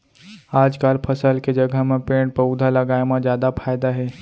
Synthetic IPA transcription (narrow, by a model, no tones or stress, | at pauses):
aːd͡ʒkaːlpʰəsəlked͡ʒəɡʱəɦmẽpẽːʈ̚pəʊd̪ʱalɐɡaːemãzjaːd̪apʰaːjd̪aɦɛː